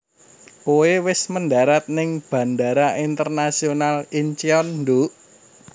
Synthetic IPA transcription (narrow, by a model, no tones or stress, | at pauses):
koewɪsmənda̤ɾat̪̚nɪŋb̥ä̤ndaɾaʔint̪ərnasionalint͡ʃiɔnndoʔ